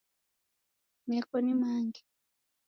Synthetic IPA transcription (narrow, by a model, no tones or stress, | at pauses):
mɛkɔnimaŋɡi